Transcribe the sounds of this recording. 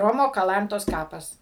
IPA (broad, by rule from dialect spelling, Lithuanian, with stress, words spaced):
ˈroːmoː kɐˈlˠɐntoːs ˈkɑːpɐs